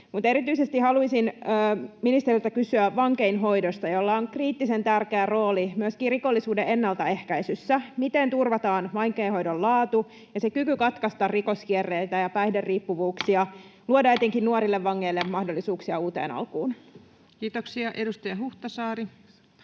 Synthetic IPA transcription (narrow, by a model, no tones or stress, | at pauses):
mut̪e̞ɾit̪yisest̪ihɑluisinː | minist̪eriylt̪ækysyæʋʋɑŋke̞inɦo̞jdost̪ɑjo̞lːɑoŋkriːt̪ːisent̪ærkeæro̞ːlimyøskiːriko̞lːisuːdeenːɑlt̪ɑe̞hkæisysːæmit̪ent̪urʋɑt̪ɑːnʋɑiŋkeinɦho̞jdollɑːt̪u | jɑsekykykɑt̪kɑst̪ɑrrikoskierːeit̪æjɑpæihderriːpːuʋuːksiɑluodɑejt̪eŋkinnuoɾilːeʋːɑŋːeilːemmɑhdo̞lːisuːksiɑuːt̪ḛːnɑ̰lkuːn | kiːt̪oksiɑʔedust̪ɑjɑɦuht̪ɑsɑːɾi